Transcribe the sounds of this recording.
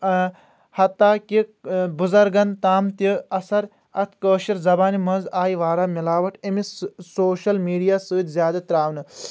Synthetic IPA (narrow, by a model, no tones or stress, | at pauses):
hɐt̪ːaːkibuzɐɾɡɐnt̪aːmt̪iɐsɐɾ | ɐt̪ʰkəːʃiɾzɐbaːnimɐnzaːjʋaːɾaːmilaːʋɐʈʰɐmisoːʃɐlmiːɖijaːsɨːt̪ʲzjaːd̪ɐt̪ɾaːʋnɨ